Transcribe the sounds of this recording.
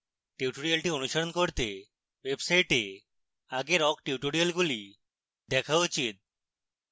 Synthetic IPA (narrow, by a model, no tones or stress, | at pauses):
ʈiuʈoɾialʈionuʃoɾonkoɾt̪e | websaiʈe | aɡeɾɔɡʈiuʈoɽijalɡuli | d̪ɛkʰaut͡ɕit̪̚